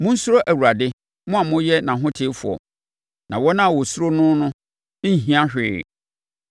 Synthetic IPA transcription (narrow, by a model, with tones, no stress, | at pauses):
mʊ̃˦n̩˦su˦ɾo˦ʔæ˨wu˨ɾa˨dɪ˦ | mʊ̃˦a˨mʊ̃˦jɛ˦nã˨ɦʊ̃˦tʰɪ˦fʊ̰˨ɔ̰˨ | nã̰˨wɔ˦nã˦˨wɔ˨su˦ɾo˦nʊ̃˦nʊ̃˦ | ɦĩ˦ã˦ɕᶣɪ̰˨˦˨